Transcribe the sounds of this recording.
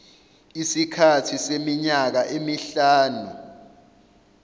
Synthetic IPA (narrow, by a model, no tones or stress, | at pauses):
isikʰatʰisemiɲak̬aʔemiɬaːnu